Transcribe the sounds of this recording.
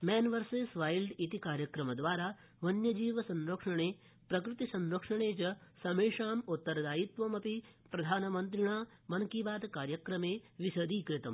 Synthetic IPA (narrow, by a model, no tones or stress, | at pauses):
mɛːnʋɐɾseːsʋaːjlɖit̪ikaːɾjɐkɾɐmɐd̪ʋaːɾaː | ʋɐnjɐd͡ʒiːʋɐsɐ̃nɾɐkʂɐɳeː | pɾɐkɾɪt̪isɐnɾɐkʂɐɳeːt͡ʃɐsɐmeːʂaːmut̪ːɐɾɐd̪aːjit̪ʋɐmɐpipɾɐd̪ʱaːnɐmɐnt̪̬ɾiɳaːmɐnɐkiːbaːd̪kaːɾjɐkɾɐmeːʋisɐd̪ʱiːkɾɪt̪ɐm